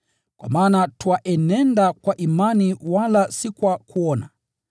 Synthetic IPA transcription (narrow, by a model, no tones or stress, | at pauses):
kwa̰maːnatwaʔɛnɛndakwaʔimaniwalasikwakuɔna̰